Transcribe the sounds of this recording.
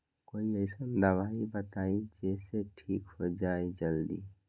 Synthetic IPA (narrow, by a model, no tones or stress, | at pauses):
koːiəɪsənd̪əbaibət̪aid͡ʒeseʈʰiːkhod͡ʒaːed͡ʒəld̪ḭ